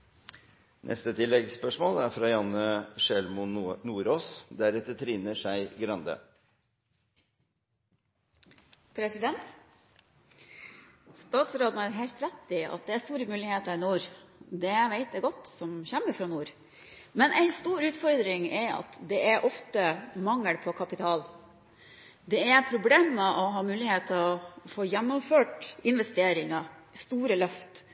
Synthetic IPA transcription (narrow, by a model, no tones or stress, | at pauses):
nʔɛ̰st̪ət̪ʰɪlːɛɡspœʂmoːlæɾfɾɑːjɑnəʂɛlmʊnuːɾoːsd̪æɾɛt̪ːət̪ʰɾiːnəʂæɪɡɾɑnd̪ə̰ | pʰɾɛsɪd̪ɛnt̪ | st̪ɑːt̪sɾoːd̪n̩æːɾɦɛɪlt̪ɾɛt̪ːɪɑ̰t̪̚d̪ɛæɾst̪uːɾəmʉːlɪheːt̪əɾnuːɾd̪ɛʋæɪt̪̚d̪æɡɔt̪ːsɔmçæmːəfɾɑnuːɾ | mɛnʔæɪst̪uːɾʉːt̪fɔɾd̪ɾɪŋɛɾɑ̰t̪d̪ɛʔæɾʔɔft̪əmɑŋːəɽpʰɔkʰɑpɪt̪ʰɑːl | d̪ɛæɾpʰɾʊbleːməʔɔɦɑːmʉːlɪheːt̪ʰːɪɔfoːjænːɔmføːʈɪnʋɛst̪eːɾɪŋɑst̪uːɾəlœft̪